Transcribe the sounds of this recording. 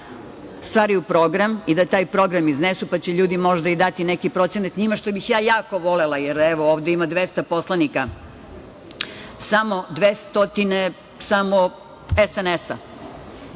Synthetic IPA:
st̪ʋaːɾiupɾo̞ɡɾamid̪at̪aːjpɾo̞ɡɾamiznesupat͡ɕe̞ʎuːd̪imo̞ʒd̪aid̪at̪ine̞kipɾo̞t̪senat̪ɲimaʃt̪obixjaːjaːko̞ʋo̞lelˠajeɾeʋooːʋd̪eimad̪ʋest̪apo̞slˠanika | samo̞d̪ʋeːst̪ot̪ine | samo | esenesa̰

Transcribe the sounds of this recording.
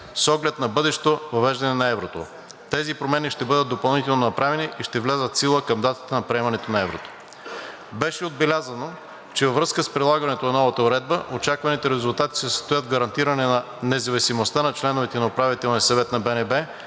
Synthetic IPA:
sɔɡlɛt̪nɐbɤd̪ɛʃɛ̥t̪ovɐvɛʒd̪ɐnɛnɐɛvɾot̪o̰ | t̪ɛzipɾomɛniʃt̪ɛbɤd̪ət̪ːopɐlˠnit̪ɛlˠnonɐpɾʔavɛniʔiʃt̪ɛvlʲazət̪silˠəkɐmd̪at̪ə̥t̪ənɐpɾiɛmɐnɛt̪onɐɛvɾot̪o̥ | bɛʃɛod̪̚bɛlʲazɐno | t͡ʃɛvɐvɾɤskəspɾilˠaɡɐnɛt̪onɐnɔvɐt̪əoɾɛd̪̚bəʔot͡ʃakvɐnit̪ɛɾɛzʊlˠt̪at̪i̥sɛsə̥st̪ojət̪̚ɡɐɾɐnt̪iɾɐnɛnɐ | nɛzɐvisimost̪anɐt͡ʃlɛnovɛt̪ɛnɐopɾavit̪ɛlˠniəsɐvɛt̪nɐbɛnɛbɛ

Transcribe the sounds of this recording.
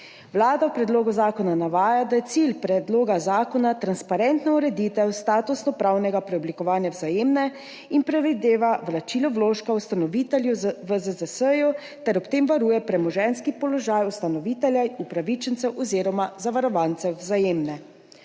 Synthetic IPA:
ʋlaːd̪awpɾɛd̪loːɡuzaːkɔnanaʋaːjad̪ajɛt̪silpɾɛd̪loːɡazaːkɔnat̪ɾanspaɾɛnt̪nauɾɛd̪it̪ɛwst̪aːt̪usnɔpɾawnɛɡapɾɛɔblikɔʋaːnjawzajeːmnɛ | inpɾɛʋid̪eːʋaʋlat͡ʃiːlɔwloːʃkawst̪anɔʋit̪ɛljuʋəzəzəsəju | t̪ɛɾɔpt̪eːmʋaɾuːjɛpɾɛmɔʒɛnskipɔlɔʒaːjust̪anɔʋiːt̪ɛljaupɾaʋit͡ʃənt̪sɛwʔɔziːɾɔmazaʋaɾɔʋant̪sɛzajeːmnɛ

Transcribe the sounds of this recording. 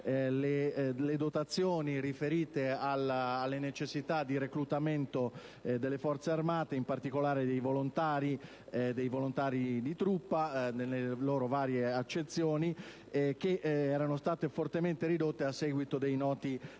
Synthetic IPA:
leled̪ot̪at̪sːjoːnirifeɾiːt̪ealːlːenet͡ʃesːit̪ad̪iɾekɾut̪ament̪o | d̪elːefɔrt̪searmaːt̪eimpart̪ikolaːɾed̪ejvolont̪aːɾi | d̪ejvolont̪aːɾid̪it̪ɾupːanelːeloːɾovaːɾjeat͡ʃːet̪sːjoːni | k̟eʔɛːɾanost̪aːt̪efort̪ement̪eɾid̪ot̪ːeasːɛɡwit̪od̪ejnɔːt̪i

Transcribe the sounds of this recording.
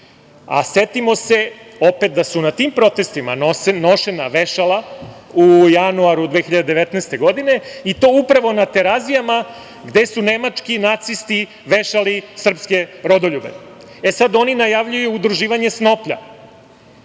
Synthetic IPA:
a̰se̞t̪imo̞se̞ | o̞pet̪̚d̪asunat̪iːmpɾo̞t̪e̞st̪ima̰nosno̞ʃenaʋeʃalaujanuaɾud̪ʋeːxiʎad̪ed̪eʋet̪naːst̪e̞ɡo̞d̪ine̞it̪o̞ːupɾaʋo̞nat̪eɾazijama | ɡd̪e̞sune̞mat͡ʂkinat̪sist̪i | ʋe̞ʃalisr̩pske̞ɾo̞d̪oʎube̞̰ | esad̪o̞ninajaʋʎujuːd̪ɾuʒiːʋaɲe̞sno̞pʎa̰

